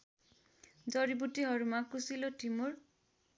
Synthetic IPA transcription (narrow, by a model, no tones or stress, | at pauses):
d͡ʒɔɾibutiɦɔɹumakusiloʈimuɹ